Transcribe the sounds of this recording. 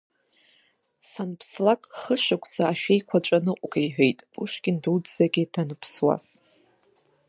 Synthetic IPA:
sanpʰslakʼχəʂakʷʰʼz̥aːʃᶣe̞jkʷʰat͡ʃʷʼanɨqʷʼɡajħʷᶣe̞jtʼuʂɡʲɪndɨldz̥aɡʲɪdanɨpʰswa̰z

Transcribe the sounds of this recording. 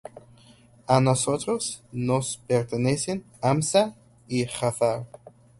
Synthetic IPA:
anosot̪ɾosnospeɾt̪enesin | amsa | ixaθaɾ

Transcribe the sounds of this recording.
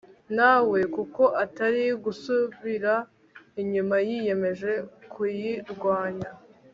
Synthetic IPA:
naːwe̞kuko̞ʔataɾiɡusuβiɾa | iɲumajije̞me̞ʒe̞kʰujiɾɡwaːɲa

